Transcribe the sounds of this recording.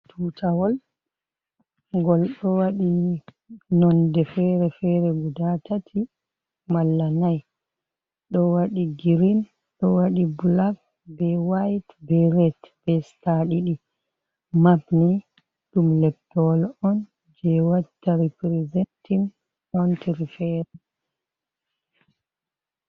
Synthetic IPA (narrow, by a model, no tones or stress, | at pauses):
tʰutʰawɔl | ɡɔlɗɔwaɗi | nɔndɛfɛɾɛfɛɾɛɡudatʰatʰi | malːanaj | ɗɔwaɗiɡiɾin | ɗɔwaɗibulak | bɛwajtbɛɾɛtb̥ɛstaɗiɗi | mapni | ɗumlɛp̚tɔlɔn | d͡ʒɛwatːaɾipɾɛzɛntim | ʔɔntiɾifɛɾɛ